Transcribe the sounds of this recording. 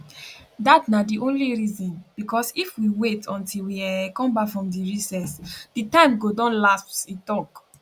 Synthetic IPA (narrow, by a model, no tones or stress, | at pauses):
datnadiʔõnliɹizɔ̃nb̥ikɔsifwiwetʰɔ̃ntilwiakɔ̃mbafɹɔ̃mdiɹisɛsd̥itãɪ̃mɡodɔ̃nlassitɔk